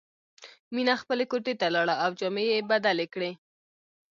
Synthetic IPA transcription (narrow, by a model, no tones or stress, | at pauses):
minaxpəlekoʈet̪alɑɽaawd͡ʒɑmejebad̪alekɽe